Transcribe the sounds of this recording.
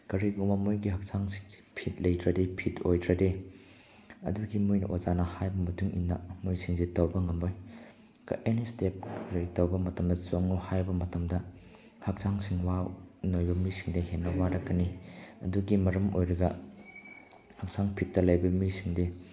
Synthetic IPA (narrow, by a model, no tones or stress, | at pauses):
kɐɾiɡuŋbɐmojɡihɐk̚saŋsi̥ŋzi̥pʰit̚lɐjtɾɐdepʰitojdɾɐde | ɐ̰duɡimujnɐʔozanɐhajbɐmɐtuŋḭnːɐmojsiŋzetɐwbɐŋɐmoj | kɐ̰ʔenistep̚kɐɾitɐwbɐmɐtɐmdɐsoŋuhajbɐmɐtɐmdɐ | hɐk̚saŋsiŋwanojbɐmisiŋdehenːɐwaɾɐkːɐniɐ̰duɡimɐɾɐmo̰jɾɐɡɐ | hɐk̚saŋpʰit̚ːɐlɐjbɐmisiŋde